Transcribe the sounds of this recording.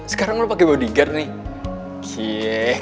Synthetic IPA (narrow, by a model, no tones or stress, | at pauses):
sə̥kaɾaŋunopakebadiɡarnɪ | kʰia